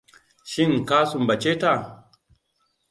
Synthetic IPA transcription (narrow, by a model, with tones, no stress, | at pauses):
ʃi˦ŋka˦su˨mba˨t͡ʃe˦ta˦˨